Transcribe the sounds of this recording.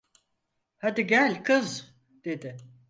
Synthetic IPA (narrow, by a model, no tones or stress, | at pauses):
had̪iɟælʲkʰɯz | d̪̥e̞d̪ɪ